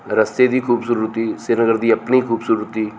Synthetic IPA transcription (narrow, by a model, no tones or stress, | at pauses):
ɾəst̪ed̪iːkʰuːbsʊɾɾʊt̪iːsenəɡəɾd̪iːəpniːkʰuːbsʊɾɾɪt̪iː